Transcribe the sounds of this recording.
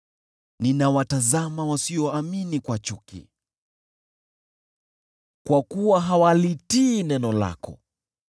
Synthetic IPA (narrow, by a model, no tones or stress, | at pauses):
ninawatazamawasiɔaminikwat͡ʃukḭ | kwakuwaɦawalitiːnɛnɔla̰kɔ̰